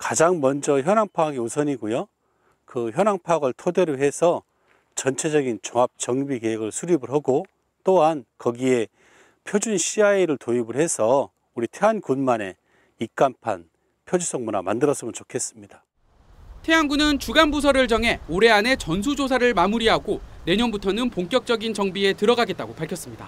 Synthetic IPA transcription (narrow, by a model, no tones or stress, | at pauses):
kad͡ʑaŋmʌnd͡ʑʌçjʌnaŋpʰaaɡiusʰʌɲiɡujo | kɯçjʌnaŋpʰaaɡɯɭtʰode̞ɾoɦe̞sʰʌ | t͡ɕʌnt͡ɕʰe̞d͡ʑʌɡint͡ɕoŋap̚t͡ɕʌŋbike̞ɦeɡɯɭsʰuɾibɯɭɦaɡo | t͈oɦankʌɡie̞ | pʰjod͡ʑunɕʰiaiɾɯɭtoibɯɭɦe̞sʰʌ | uɾitʰe̞ɦankunmane̞ | ik̚k͈ampʰa̰n | pʰjod͡ʑus͈ʰʌŋmuna̰mandɯɾʌs͈ɯmɯnt͡ɕokʰe̞s͈ɯmɲid̥a | tʰe̞ɦaŋɡunɯnt͡ɕuɡanbusʰʌɾɯɭt͡ɕʌŋɦe̞oɾe̞ane̞t͡ɕʌns̬ʰud͡ʑosʰaɾɯɭmamuɾiɦaɡone̞ɲʌnbutʰʌnɯnpoŋk͈jʌk̚t͡ɕ͈jʌɡint͡ɕʌŋbie̞tɯɾʌɡaɡe̞t̚t͈aɡopaɭkʰjʌs͈ɯmɲida̰